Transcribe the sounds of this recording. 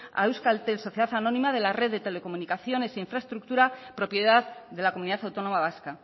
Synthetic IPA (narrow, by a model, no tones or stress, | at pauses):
a̰ewskalt̪elso̞θje̞ðaθanõ̞nĩmað̞e̞lare̞ððe̞t̪e̞le̞ko̞munikaθjo̞ne̞seiɱfɾaest̪ɾuk̚t̪uɾapɾo̞pje̞ðaððe̞lako̞muniðaθawt̪o̞nõ̞maβ̞aska